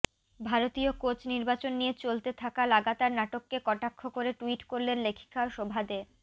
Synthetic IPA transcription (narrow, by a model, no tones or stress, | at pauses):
bʱaɾot̪iokot͡ɕniɾbat͡ɕonːijet͡ɕolt̪et̪ʰakalaɡat̪aɾnaʈokːekɔʈakʰːokoɾeʈuiʈkoɾlenlekʰi̥kaʃobʱad̪e